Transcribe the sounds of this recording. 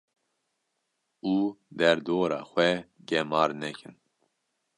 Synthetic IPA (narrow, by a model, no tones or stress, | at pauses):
uːd̪ɛɾd̪oːɾɑ̰ːxʷɛɡɛmɑːɾnɛkʰɨn